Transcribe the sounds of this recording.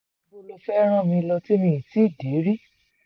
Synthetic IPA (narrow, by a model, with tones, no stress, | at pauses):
bo˧lo˦fɛ˦ɾ̃ã˦˨mĩ˧lɔ˧ti˦mĩ˧˦˨ti˦˨de˨˦ɾi˦